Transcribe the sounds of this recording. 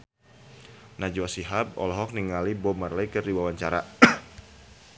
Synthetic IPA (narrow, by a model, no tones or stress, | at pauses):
nad͡ʒuasiɦab̚ɔ̰lɔɦɔk̚niŋalibɔmarlɛkərdiwawaɲt͡ʃaɾa